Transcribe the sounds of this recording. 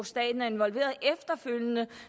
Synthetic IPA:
sd̥ɛ̰ːd̥n̩æɐe̝nʋɒ̽lʋe̝̰ːɐðˠʔefd̥ɐføl̰jənə

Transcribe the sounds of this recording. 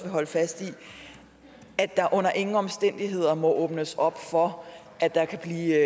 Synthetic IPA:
ʋe̝ɦɒ̽ləfæsd̥i | æd̥ɑ̈ʔɔ̽n̰ɐʔe̝ŋŋ̩ɒ̽msd̥en̰d̥iɦe̝ð̞̰ˠɐmɒ̽ʔɔːb̥nəsɒ̽b̥fɒ̽ | ʔæd̥ɑ̈kʰæb̥liː

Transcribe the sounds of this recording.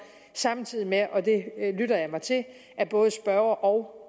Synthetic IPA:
sɑ̈mt͡sʰið̰ˠimeʔɒ̽d̥e̝lyɾ̥ɐjɑ̈ɪmɑ̈ɪt͡sʰe̝l | ʔæb̥ɔ̽ːð̞̩ˠsb̥ɶɐɐʔɒ̽ʊ

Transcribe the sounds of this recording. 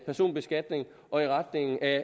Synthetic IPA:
pʰæɐso̝̰ːnb̥e̝sɡ̥æd̥ne̝ŋ | ʔɒ̽iʁad̥ne̝ŋ̩ʔæ

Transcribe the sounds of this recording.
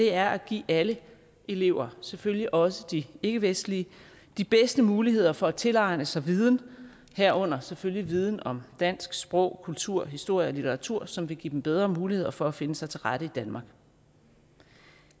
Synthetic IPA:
d̥e̝æɐʔæɡ̥ḭːælə | ʔe̝le̝ʊ̰ɐseføljiʔɒ̽səd̥ie̝ɡ̥əʋesd̥li | d̥ib̥esd̥əmuːliɦe̝ð̞̰ˠɐfɒ̽æt͡sʰe̝lɑ̈ɪnəsɑ̈ɪʋið̞ˠn̩ | hæɐ̰ɔ̽n̰ɐseføljiʋið̞ˠn̩ɒ̽md̥æn̰sɡ̥sb̥ʁɔʊ̰kʰult͡sʰuɐ̰ɦisd̥o̝ɐ̰jəɒ̽lit͡sʰeɐʁɑ̈t͡sʰuɐ̰sɒ̽mʋe̝ɡ̥ḭːd̥emb̥eð̞ˠʁɐmuːlihe̝ð̞̰ˠɐfɒ̽æfe̝nəsɑ̈ɪt͡sʰe̝lʁaɾ̥əid̥ænmɑ̈ːɡ̥

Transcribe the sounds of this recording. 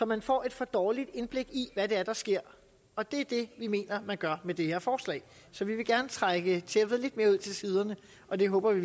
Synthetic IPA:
sɒ̽mænfɒ̰ːe̝d̥fɒ̽d̥ɒːlid̥e̝nb̥le̝ɡ̥iʋæɾ̥e̝æɐd̥ɑ̈sɡ̥e̝ɐ̰ | ɒ̽d̥e̝æɐd̥e̝ʋime̝̰ːnɐmænɡ̥ɶɐmed̥e̝heɐ̰fɒːslɛ̰ɪ | sɒ̽ʋiʋe̝ɡ̥æɐnət͡sʰʁaɡ̥ət͡sʰeæʋðˠle̝d̥me̝ɐuð̞̰ˠt͡sʰe̝lsiːð̞ˠɐnə | ʔɒ̽d̥e̝ɦɔ̽ːb̥ɐʋi

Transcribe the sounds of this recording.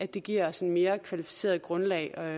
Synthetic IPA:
ædd̥e̝ɡ̥iɐ̰ɒsenme̝ːɐkʰʋælifi̥se̝̰ːɐð̩ˠɡ̥ʁɔ̽nlɛ̰ɪɒ̽

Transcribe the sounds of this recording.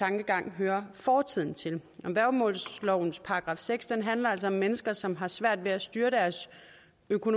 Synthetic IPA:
t͡sʰɑ̈ŋɡ̥əɡ̥ɑ̈ŋ̰ɦøːɐfɒːt͡sʰið̰ˠn̩t͡sʰe̝lɒ̽ʋæɐ̰̥mɔ̰̽ːlslɒʊ̰n̩spʰɑ̈ʁɡ̥ʁɑ̈ːfseɡ̥sd̥enɦænlɐæl̰sɒ̽ɒ̽mːenəsɡ̥ɐsɒ̽mɦɑ̈sʋæɐ̰d̥ʋe̝æsd̥yːɐd̥æɐs | økʰo̝no

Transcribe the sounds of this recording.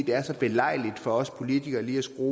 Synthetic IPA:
d̥e̝æɐsɒ̽b̥e̝lɑ̈ɪ̰lid̥fɒ̽ɒ̽spʰo̝lit͡sʰiɡ̥ɐːliːæsɡ̥ʁoː

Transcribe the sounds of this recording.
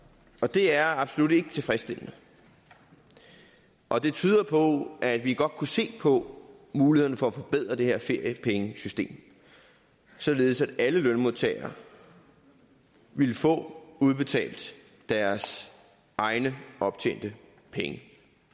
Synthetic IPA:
ɒ̽d̥e̝æɐɑ̈b̥solud̥e̝ɡ̥ə̥t͡sʰe̝fʁɛsd̥e̝l̰nə | ʔɒ̽d̥e̝t͡sʰyːð̞ˠɐpʰɒ̽æd̥ʋiɡ̥ɒ̽d̥̚kʰuse̝̰ːpʰɒ̽ | muːliheðˠn̩fɒ̽æfɒ̽b̥eð̰ˠʁɐd̥e̝he̝ɐ̰fe̝ɐ̰jəpʰeŋəsysd̥e̝̰ːm | sɒ̽le̝ːð̩ˠsæd̥æləlønmo̝ðˠt͡sʰɛ̰ɪɐ | ʋe̝lfɔ̰̽ːuð̞ˠb̥e̝t͡sʰɛ̰ːld̥ | d̥æɐs | ʔɑ̈ɪnəʔɒ̽b̥t͡sʰḛːnd̥ə | pʰeŋə

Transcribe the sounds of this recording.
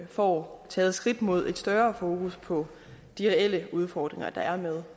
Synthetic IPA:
fɒːt͡sʰɛ̰ːð̞̩ˠsɡ̥ʁid̥mo̝ð̞̰ˠe̝d̥sd̥ɶːɐfo̝ːkʰuspʰɒ̽ | d̥iʁɛel̰əuð̞ˠfɒːd̥ʁeŋɐd̥ɑ̈æɐmeð̞ˠ

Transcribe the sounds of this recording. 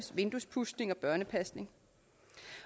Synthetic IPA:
sʋe̝nd̥uspʰusd̥ne̝ŋɒ̽b̥ɶɐnəpʰæsne̝ŋ

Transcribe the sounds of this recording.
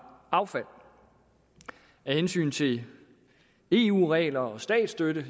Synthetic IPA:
ɑ̈ʊfæl̰ | æhensy̰ːnt͡sʰe̝ | e̝̰ṵːʁɛːlɐɒ̽sd̥ɛ̰ːd̥sd̥øɾə

